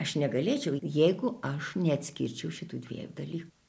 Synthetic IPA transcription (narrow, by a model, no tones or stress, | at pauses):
ɐʃnʲɛɡɐlʲeːt͡ʃʲɛʊjɛɪɡʊɐʃnʲɛɐt̪ʲsʲkʲḭɾʲt͡ʃʲɛʊʃʲɪt̪uːd̪ʲʋʲḭːlʲud̪ɐlʲiːku